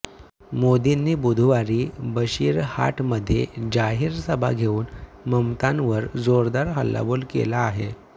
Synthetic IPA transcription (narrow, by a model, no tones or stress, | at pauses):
mod̪inːiːbud̪ʱʋaɾiːbəɕiːɾha̰ʈʰməd̪ʱːjed͡ʑaɦiːɾsəbʱa̰ɡʱeuːn | məmt̪anʋəɾd͡zoɾd̪aɾɦəlːa̰bolkḛlaːɦe